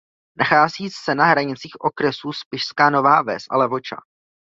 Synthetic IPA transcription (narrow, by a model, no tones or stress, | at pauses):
nʔaxaːziːsɛnaɦɾaɲɪt͡siːxʔo̞kɾɛsuspɪʃskaːno̞vaːvɛsʔa̰lɛvo̞t͡ʃa̰